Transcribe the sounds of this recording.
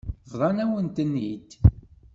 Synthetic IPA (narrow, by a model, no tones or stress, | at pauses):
vðˤɑnæwənt̪ənːid̪